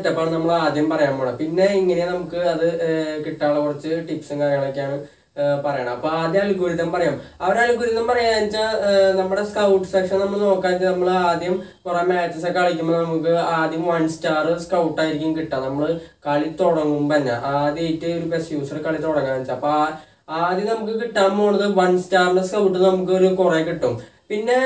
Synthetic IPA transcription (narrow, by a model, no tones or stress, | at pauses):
tːɐpːoːnɐmːɐɭaːd̪jɐmpɐrɐjaːmboːɽɐpinːe̞iŋːɐnejnɐmukːɨɐðɨkiʈːaːɭekurɐt͡ɕːɨʈipsɨŋkarijɐaɭok̬ʲːaːɳɨ | pɐrɐjaːɳɐmɐpːoaːd̪jɐɐɭukːuːɾiðɐmpɐrɐjaːmɐʋɐɾeɐɭikːuːɾiðɐmpɐrɐjaːnit͡ɕːanɐmːuɽe̞skɐwʈːɨ̥sekʂɐnnɐmːɐɭno̞ːkːaːt͡ɕːɨnɐmːɐɭaːd̪jɐmkuremaːt͡ɕːesɐkːeɐɭikʲːumːonɐmukːɨaːd̪jɐmʋɐnstaːrɨskɐwʈːaːjiɾikʲːumkiʈːaːnɐmːɐɭɨkɐɭit̪oɽɐŋːumpɐnːa̰ʔaːðjejtːɨoɾube̞sjuːsɐrɨkɐɭit̪oɽɐŋːaːnit͡ɕːaɐpːo | aːd̪jɐnɐmukːɨkiʈːaːmboːɳːɐðɨʋɐnstaːrɳɖeskɐwʈːɨnɐmuk̬ːɨoɾukurekiʈːum | pinːe̞